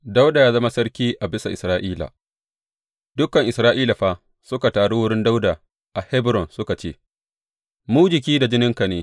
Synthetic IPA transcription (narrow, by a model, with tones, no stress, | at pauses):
da˦wda˨jaː˦zɐ˦ma˦sɐ˦ɾkʲiː˦ʔa˨bɪ˦sa˨ʔɪ˨sɾaː˦ʔiː˦la̰˨ | dʊ˦kɐ˨ŋʔɪ˨sɾaː˦ʔiː˦la˨ɸaː˦ | sʊ˦ka˨taː˨ɽo˦wʊ˦ɽɪ˦nda˦wda˨ | ʔa˨hɛ˦bɾɔ˨nsʊ˦ka˨t͡ʃeː˦ | mu˦d͡ʒɪ˨kʲiː˦da˨d͡ʒɪ˦nɪ˦ŋka˨neː˨˦